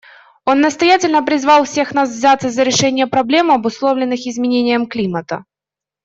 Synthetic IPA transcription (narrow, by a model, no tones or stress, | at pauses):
o̞nːəst̪ɐjætʲɪlʲnəpɾʲɪzvɑlˠfsʲe̞xn̪as̬vzʲat̪səzəɾʲɪʂɛnʲɪjəpɾɐblʲe̞mɐbʊslˠo̞vlʲɪnːɨxɪzmʲɪnʲenʲɪjəmklʲimət̪ə